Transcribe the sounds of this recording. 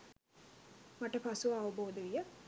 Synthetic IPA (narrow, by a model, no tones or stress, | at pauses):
maʈəpasuʋaːʋɐboːd̪əʋijə